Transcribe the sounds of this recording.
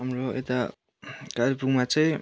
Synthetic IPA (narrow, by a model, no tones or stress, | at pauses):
amɾoḛt̪a | kaɾipuŋmat͡sʌj̃